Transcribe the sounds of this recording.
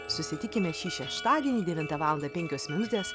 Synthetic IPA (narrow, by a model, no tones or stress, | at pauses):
sʊsʲɪt̪ʲɪkʲɪmʲɛʃʲiːʃʲɛʃt̪ɑːd̪ʲiɛnʲiːd̪ʲɛʋʲɪnt̪ɐʋɑːlˠɐnd̪ɐpʲɛŋʲkʲoːsʲmʲɛnʲʊt̪ʲeːs